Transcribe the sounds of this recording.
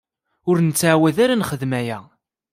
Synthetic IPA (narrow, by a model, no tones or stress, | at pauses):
ʊɾnt͡sːaʕwæðaɾanχəðmæjæ